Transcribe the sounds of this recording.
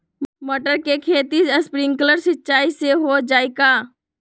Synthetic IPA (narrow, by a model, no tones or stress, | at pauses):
məʈəɾkekʰeːt̪iəspɾɪ̃ŋɡkələɾsɪtːt͡ʃaːiseɦod͡ʒaːekaː